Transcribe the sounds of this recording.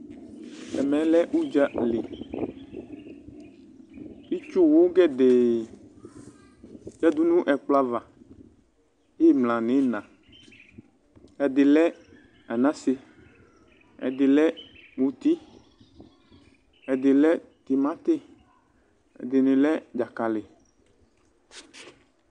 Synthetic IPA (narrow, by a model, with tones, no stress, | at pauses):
ɛ˨mɛ̃˨˦lɛ˦ʔu˦d͡ʒa˦li˨ | i˦t͡ʃo˦wo˦ɡɛ˦d̪e˨ | d͡ʒa˦d̪u˦nũ˦ʔɛ˨k͡pla˦va˨ | je˦mlã˨nẽ˨˦nã˨ | ɛ˨d̪e˨lɛ˦ | a˨nã˦se˦ | ɛ̰˨d̪e˨lɛ˦mũ˨t̪i˦ | ɛ˨d̪e˨lɛ˦t̪i˨mã˦t̪e˦ | ɛ̰˨d̪e˨nẽ˨lɛ˦d͡ʒa˨ka˨le˨